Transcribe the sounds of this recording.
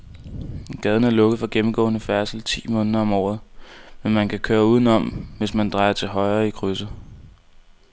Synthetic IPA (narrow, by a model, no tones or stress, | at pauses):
ɡ̥ɛð̞ˠn̩æɐlɔ̽ɡ̥ð̞̩ˠfɒ̽ɡ̥emm̩ɡ̥ɔ̰̽ːnəfæɐsl̩t͡sʰḭːmɔ̽ːnəðˠɐɒ̽mɒ̰ːð̞̩ˠmenmænkʰækʰøːɐuð̞ˠn̩ɒ̽mʋe̝smænd̥ʁɑ̈ɪɐt͡sʰe̝ɦɒ̽ɪɐːikʰʁysə